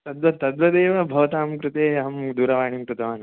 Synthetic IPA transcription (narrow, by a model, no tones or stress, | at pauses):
t̪ɐd̪ʋɐt̪ɐd̪ʋɐd̪eːʋɐbʱɐʋɐt̪aːmkɾɪt̪eːɦɐmd̪uːɾɐʋaːɳimkɾut̪ɐʋaːnɐ